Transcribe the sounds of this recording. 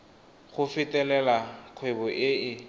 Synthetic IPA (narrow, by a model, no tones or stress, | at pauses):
χʊfɪtʼɛlɛlaq͡χʰwebɔʔɪɪ